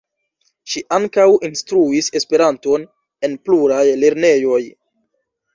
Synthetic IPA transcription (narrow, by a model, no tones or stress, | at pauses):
ʃiʔaŋkawinstɾuise̞spe̞ɾanto̞n | e̞npluɾajle̞ɾne̞jo̞j